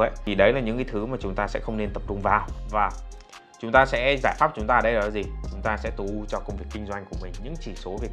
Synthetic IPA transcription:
ə˨˦jt̪ʰi˨˩ɗə˨˦jlaː˨˩ɲɨ̰˧˥ŋkaː˨˦jt̪ʰɨ˨˦maː˨˩t͡ɕʊ˨˦ŋ͡mt̪aː˧sɛ̰˧˥xə˧wŋ͡mne˧nt̪ə˨˩p̚t͡ɕʊ˧ŋ͡mvaː˨˩wvaː˨˩ | t͡ɕʊ˨˦ŋ͡mt̪aː˧sɛ̰˧˥zaː˧˩jfaː˦˥p̚t͡ɕʊ˨˦ŋ͡mt̪aː˧˨˩ɗə˧lɔ˨˦zi˨˩t͡ɕʊ˨˦ŋ͡mt̪aː˧sɛ̰˧˥t̪u˨˦˧t͡ɕɔ˧kə˧wŋ͡mvi˨˩əkːï˧ŋ̟zwa˧jŋ̟ku˧˩əmï˨˩ŋ̟ɲɨ̰˧˥ŋt͡ɕi˧˩so˨˦vi˨˩

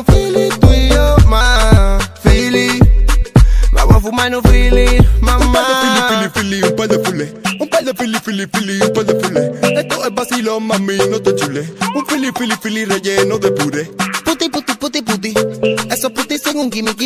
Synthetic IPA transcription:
fi˦li˦t̪wi˦jɔ˦ma | fi˦li˦ | ma̰˨wa˨fu˨˧ma˦nu˧fi˦li˦ma˨ũ˦pa˦dɛfi˦li˨fi˦li˨fi˦li˦ũ˦pɛ˦dɛ˨fu˦lɛ˨ũ˦pɛ˦dɛ˨fi˦li˧fi˦li˨fi˦li˧ũ˦pɛ˦dɛ˨fu˦lɛ˨ɛ˦t̪ɔ˦ɛ˨ba˦si˦lɔ˦ma˨mi˦nɔ˦t̪ɔ˨d͡ʒu˨lɛ˦ũ˦fi˦li˧fi˦li˧fi˦li˦ɾɛ˨d͡ʒɛ˦nɔ˦ðɛ˨bu˨ɾɛ˦pu˦t̪i˦pu˦t̪i˨pu˦t̪i˦pu˨t̪̬i˦ɛ˨sɔ˧pu˦t̪i˦si˦ŋu˦ŋki˨mi˨ki˦

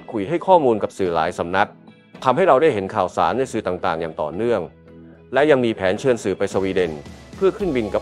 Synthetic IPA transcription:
kʰu˧˨˩jɦa˥˩jkʰɔː˥˩muː˧nka˨˩p̚sɯː˨˩la̰ː˩˦jsa˩˦mna˦˥t̪̚ | t̪ʰa˧mɦa˥˩ɾa˧wdaː˥˩jɦe˩˦nkʰaː˨˩wsa̰ː˩˦nːa˧jsɯː˨˩t̪aː˨˩ŋt̪aː˨˩ŋjaː˨˩ŋt̪ɔ̰ː˨˩nɯ˥˩əŋ | lɛ˦˥ja˧ŋmiː˧pʰɛː˩˦nt͡ɕʰɯ˧ənsɯː˨˩pa˧jsa˧wiː˧de˧npʰɯ˥˩əkʰɯː˥˩nbi˧nka˨˩

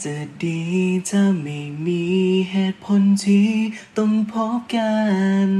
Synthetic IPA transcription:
t͡ɕa˨˩diː˧˩t͡ɕa˧˩ma˨˩jmiː˧ɦeː˧˩pʰo˧˥nt̪ʰiː˧˩t̪o˧ŋpʰo˧˦˥p̚ka˧n

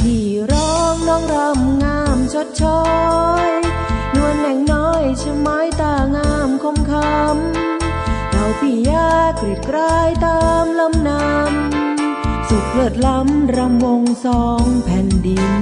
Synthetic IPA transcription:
t̪ʰiː˧˩ | ɾɔː˦˥ŋnɔː˧˩ŋɾa˧˥mŋaː˧˥mt͡ɕʰo˦˥t̪̚t͡ɕʰɔ˦j | nu˧ənːɛ˨˩ŋnɔː˧˥jt͡ɕʰɯ˧maː˨˦˥jt̪aː˧˩ŋaː˧˥mkʰo˧˥mkʰa˧˦m | kɔː˨˩jt̪ʰiː˧˩jaː˧˩kːɾi˨˩p̚kɾaː˧˥˩jt̪aː˧mla˧˥mna˧m | su˨˩t̪̚kʰɤː˨˩t̪̚la˧˦˥mɾa˧mwo˧ŋsɔː˧˥ŋpʰɛː˨˩ndi˧n

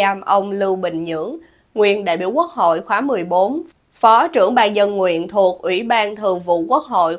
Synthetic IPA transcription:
aː˧mʔə˧wŋ͡mlɨ˧wɓï˨˩ŋ̟ɲɨ̰˧˥əŋ | ŋwḭ˧˨ənɗa̰ː˧˨jɓḭ˧˩əwku˦˥ək̚ɦo̰˧˨jxwaː˨˦mɨ˨˩əjɓo˨˦n | fɔ˨˦t͡ɕɨ˧˩əŋɓaː˧nzə˧nŋwḭ˧˨ənt̪ʰu˨˩ək̚ʔwi˧˩ɓaː˧nt̪ʰɨ˨˩əŋvṵ˧˨ku˦˥ək̚ho̰˧˨j

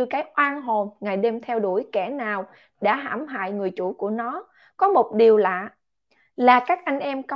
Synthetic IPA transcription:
ɨ˧kaː˨˦jʔwaː˧nɦo˨˩nŋaː˨˩jɗe˧mt̪ʰɛ˧wɗu˧˩əjkɛ˧˩naː˨˩w | ɗa̰ː˧˥ɦa̰ː˧˩mɦa̰ː˧˨jŋɨ˨˩əjt͡ɕṵ˧˩ku˧˩ənɔ˨˦ | kɔ˨˦mo˨˩t̚ɗi˨˩əwlaː˨˩˨ | laː˨˩kaː˦˥k̚ʔa˧jŋ̟ʔɛ˧mkə˧

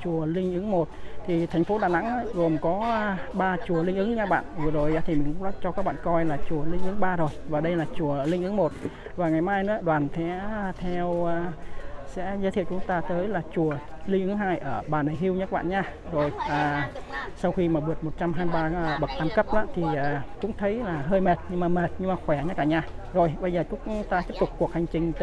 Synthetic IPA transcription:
t͡ɕu˨˩əlï˧ŋ̟ʔɨ˨˦ŋmo˨˩t̚t̪ʰi˨˩t̪ʰɛ˨˩ŋ̟fo˨˦ɗaː˨˩na̰˧˥ŋʔaː˧˦ɣo˨˩mkɔ˨˦˧ɓaː˧t͡ɕu˨˩əlï˧ŋ̟ʔɨ˨˦ŋɲaː˦˥k̚ɓa̰ː˧˨nvɨ˨˩zo˨˩jʔaː˧˦t̪ʰi˨˩mï˨˩ŋ̟ka˧˥t͡ɕɔ˧kaː˦˥k̚ɓa̰ː˧˨kɔ˧jlaː˨˩t͡ɕu˨˩əlï˧ŋ̟ʔɨ˨˦ŋɓaː˧zo˨˩jvaː˨˩ɗə˧jlaː˨˩t͡ɕu˨˩əlï˧ŋ̟ʔɨ˨˦ŋmo˨˩t̚ | vaː˨˩ŋa˨˩jmaː˧jnɨ̰˧˥əɗwaː˨˩nt̪ʰɛ̰˨˥˧t̪ʰɛ˧wːsɛ̰˧˥zə˨˦t̪ʰi˧˨wt͡ɕʊ˨˦ŋ͡mt̪aː˧t̪əː˨˦jlaː˨˩t͡ɕu˨˩əlï˧ŋ̟ɨ˨˧˦ŋɦaː˧jʔəː˧˩ɓaː˨˩na˨˩jɦi˧əwɲə˦˥ɓa̰ː˧˨nɲaː˧zo˨˩jʔaː˨˩sa˧wxi˧maː˨˩ɓɨ˨˩ət̚mo˨˩t̚t͡ɕa˧mɦaː˧m˧ɓaː˧ɓə˨˩k̚ʔ̪aː˧mkə˦˥p̚ɗaː˧˦˥t̪ʰi˨˩aː˨˩t͡ɕʊ̰˧˥ŋ͡mt̪ʰə˨˦jlaː˨˩ɦəː˧jme˨˩t̚ɲɨ˧ŋmaː˨˩me˨˩t̚ɲɨ˧ŋmaː˨˩xwɛ˧˩ɲə˦˥t̚laː˧˩ɲaː˧ | zo˨˩jɓə˧zəː˨˩t͡ɕʊ˨˦˥ŋ͡mt̪aː˧i˦˥əp̚t̪ʊ˨˩k͡p̚kːu˨˩ək̚ha˨˩jŋ̟t͡ɕï˨˩ŋ̟t̪

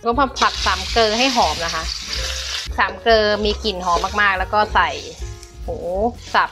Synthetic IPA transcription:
kʰːaː˧pʰa˨˩t̪̚saː˨˩˦mkɤː˧ɦa˥˩jɦɔː˩˦mna˦˥kʰa˦˥ʔ | saː˩˦mkɤː˧miː˧ki˨˩nɦɔː˩˦mːaː˥˩k̚maː˥˩k̚lɛ˦˥wkɔː˥˩sa˨˩j | huː˩˦sa˨˩p̚

